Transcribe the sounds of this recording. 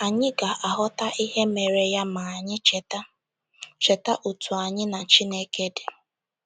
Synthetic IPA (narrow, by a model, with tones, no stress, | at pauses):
a˨ɲɪ˦ɡa˨ʔa˨ɦʊ˦ta˦ʔi˦ɦe˦me˨ɾe˨ja˦ma˨ɲɪ˦t͡ʃt | t͡ʃe˨ta˦ʔu˨tʰu˨a˨ɲɪ˦na˨t͡ʃi˦ne˦ke˦dɪ˨